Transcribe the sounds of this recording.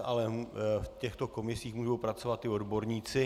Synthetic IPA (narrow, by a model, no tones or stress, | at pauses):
ʔalɛfcɛxt̪o̞ko̞mɪsiːxmuːʒowpɾat͡so̞vat̪ːɪo̞dbo̞ɾɲiːt͡sɪ